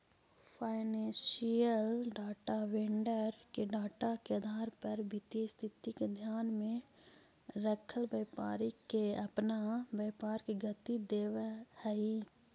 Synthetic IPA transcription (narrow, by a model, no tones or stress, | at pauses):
pʰaːɪnẽːsijəlɖaːʈaʋeɳɖəɾkeɖaːʈakeəd̪ʱaːɾpəɾʋɪt̪jest̪ʰɪt̪iked̪ʱjaːnmẽ | ɾəkʰəlʋəːpa̰ːɾikeəpnaʋəːpaːɾkeɡət̪id̪eːʋehɛi